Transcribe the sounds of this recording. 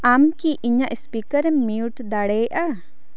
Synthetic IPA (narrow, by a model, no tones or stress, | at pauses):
amkiʔiɲaʔspikəɾɛmːiuʈd̪aɽejʔa